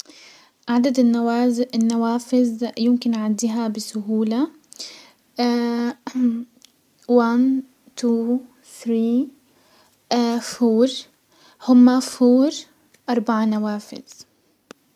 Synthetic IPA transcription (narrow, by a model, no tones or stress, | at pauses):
ʔaaʕd̪ad̪ɪaɪnːawaːfɪzjɪmkɪnʕand̪iɦabɪsʊɦuːla | wan | t̪uː | θɾiː | fuːɾ | hʊmːafuːɾ | ʔɑɾˤbaʕanawaːfɪ̰z̥